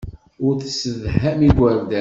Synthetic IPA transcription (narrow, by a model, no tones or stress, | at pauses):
ʊɾθsəðhæmiɡwæɾvd̪æ